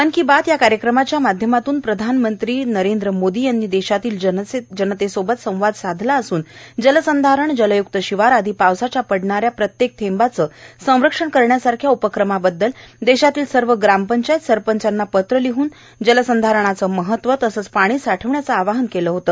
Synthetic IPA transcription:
əɳkiːbat̪jakaɾjəkɾəmat͡ɕjamad̪ʱjəmat̪uːnpɾəd̪ʱanmənt̪ɾiːnəɾend̪ɾəmod̪iːjanːiːd̪eɕat̪iːləed͡ʑənət̪esobət̪sə̃w̃ʋad̪sad̪ʱlaəsuːnd͡ʑələsənd̪ʱaɾəɳd͡ʑələjuk̚t̪əɕiʋaɾad̪ʱipawsat͡ɕjapəɽɳaɾjapɾət̪jek̚t̪ʰembat͡səːsə̃w̃ɾəkʂəɳkəɾɳjasaɾkʰjaupəkɾəmabəd̪ːəld̪eɕat̪iːlsəɾʋəɡɾampəɲt͡ɕajət̪səɾpəɲt͡ɕanːapət̪ɾəliɦuːn | d͡ʑələsənd̪ʱaɾəɳ̃at͡səːməɦət̪ʋət̪əsəːt͡spaɽ̃iːsaʈʰəʋɳjat͡səaʋaɦənkeləɦot̪əː

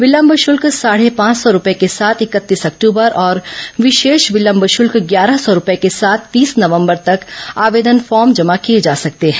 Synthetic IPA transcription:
ʋɪlə̃mbʱʃʊlksaːɽ̤epãːt͡ʃsɔɾʊpekesaːt̪ʰɪkət̪ːiːsɐkʈuːbəɾʔɔːɾʋɪʃeːʃʋɪlə̃mbʱʃʊlkɡjaːɾəɦsɔɾʊpekesaːt̪ʰt̪iːsnɐʋə̃mbəɾt̪ɐkaːʋeːd̪ənfɔːɾmd͡ʒɐmakijed͡ʒaːsɐk̚t̪eɦɛ̃ː

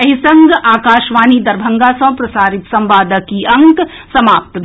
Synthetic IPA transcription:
ɐɦisɐ̃ŋɡaːkaːʃʋaːniːd̪ɐɾbʱɐŋɡaːsɐ̃ːpɾɐsaːɾit̪sɐ̃mʋaːd̪əkiɐŋksɐmaːp̚t̪

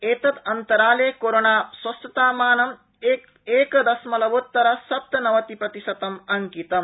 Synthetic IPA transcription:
eːt̪ɐt̪ɐnt̪ɐɾaːleːkoːɾonaːswɐst̪ɐt̪aːmaːnɐm | eː | eːkɐd̪ɐsmɐlɐʋot̪ːɐɾɐsɐp̚t̪ɐnɐʋɐt̪ipɾɐt̪isɐt̪ɐmɐŋkit̪ɐm

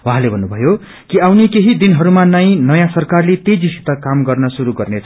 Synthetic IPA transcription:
wɦãlebʱʌnːubʱʌjo | kiawnekeɦid̪inɦʌɾumanʌj̃nʌjãsʌrkarlet̪ejd͡zisi̥t̪ʌkamɡʌrnʌsuɾuɡʌrnet͡sʰʌ

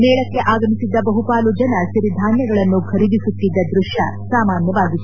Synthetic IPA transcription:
nɛːɭɐkːe̞ʔaːɡɐmisid̪ːɐbɐɦupaːlud͡ʒɐnɐʃiɾid̪ʱaːnjɐɡɐɭɐnːukʰɐɾid̪isut̪ːid̪ːɐd̪ɾuʂjɐ̰saːmaːnjɐʋaːɡit̪ːu

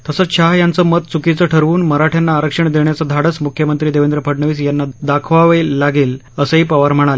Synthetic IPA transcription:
t̪əsəɕʰaɦjant͡səːmət̪t͡sukit͡səʈʰəɾʋuːnməɾaʈʰjanːaːɾəkʂəɳd̪eɳjat͡səd̪ʱaɽət͡smukʰjəmənt̪ɾiːd̪eʋend̪ɾəpʰəɽɳəʋiːsjanːad̪akʰʋaʋəːaɡeːl | əsəiːpəʋaɾm̤əɽ̃ale

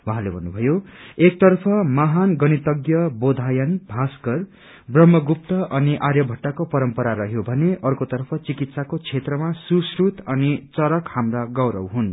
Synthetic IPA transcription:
wʌɦãlebʱʌnːubʱʌjoek̚t̪ʌrpʰʌmaɦanɡʌnit̪ʌɡjʌbod̪ʱajʌnbʱaskʌr | brʌmːʌɡup̚t̪ʌʔʌniʔarjʌbʱʌʈːakopʌɾʌmpʌɾaɾʌɦjobʱʌneʔʌrkot̪ʌrpʰʌt͡sikit̪sakot͡sʰet̪rʌmasusrut̪ʌnit͡sʌɾʌkhamraɡʌwɾʌ̰wɦun

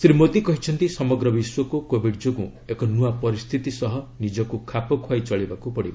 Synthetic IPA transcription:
sɾimot̪ikɔɦit͡ʃʰɔnt̪isɔmɔɡɾɔbiswɔkukobʱiɖd͡ʒoku | ekɔnuapɔɾist̪ʰit̪isɔɦɔnid͡ʒɔkukʰapɔkʰwajt͡ʃɔɭibakupɔɽiba

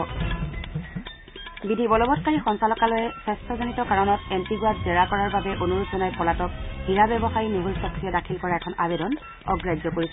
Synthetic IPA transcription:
bidʱibɔlɔbɔtkaɹixɔnsalɔkalɔjɛsɛstʰɔzonitɔkaɹɔnɔtentiɡuat̚dɛɹakɔɹaɹbabɛʔonuɹuzɔnajpɔlatɔk̚hiɹabɛbɔxaɹinuɦulsɔkɹijɛdakʰilkɔɹaɛkʰɔnabɛdɔn | ɔ̰ɡɹajd͡ʒɔkoɹisɛ

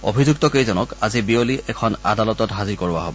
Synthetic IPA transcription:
o̰bʱizuk̚tɔkejzɔnɔkazibioliɛkʰɔna̰dalɔtɔtɦaziɹkoɹba̰ɦo̰bɔ

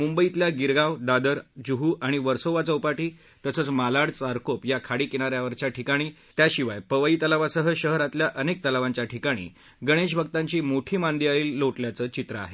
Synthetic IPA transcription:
mumbəit̪ljaɡiɾɡawd̪ad̪əɾd͡ʑuɦuːʔaɽ̃iʋəɾsoʋat͡səupaʈiː | t̪əsəːt͡smalaɽt͡saɾkopjakʰaɽiːkiñaɾjaʋəɾt͡ɕjaʈʰikaɽ̃iː | t̪jaɕiʋajpəʋaiːt̪əlaʋasəɦəɕəɦɾat̪ljaʔənek̚t̪əlaʋãɲt͡ɕjaʈʰikaɽ̃ḭː | ɡəɽ̃eɕ̬bʱəɡt̪ãɲt͡ɕiːmoʈʰiːmand̪iaɭiːlːoʈljat͡səːt͡ɕit̪ɾəa̰ɦe

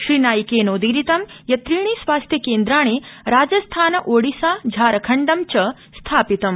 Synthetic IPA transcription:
ʃɾiːnaːjkeːnoːd̪iɾit̪ɐmjɐt̪ɾiːɳ̃iːsʋaːst̪ʰjɐkeːnd̪ɾaːɳ̃eːɾaːd͡ʒɐst̪ʰaːnɐʔoːɽisaːd͡ʒʱaːɾɐkʰɐɳɖɐmt͡ʃɐ | st̪ʰaːpit̪ɐm

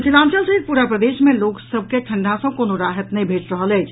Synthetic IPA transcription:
silãːnt͡ʃəlsəiɾ̚puːɾapɾəd̪eːʃmẽloːksəb̚ʱkekʰə̃ɳɖʱãsɐ̃koːnoɾaːɦət̪nəĩbʱeːt͡ʃɾəɦəlɛːt͡ʃʰ

